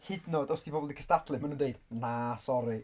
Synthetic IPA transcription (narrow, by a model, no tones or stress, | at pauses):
hɪdnɔdɔsd̥ibɔbɔlˠdikʰəstatʰlˠɨmanuːndejdnasɔɾi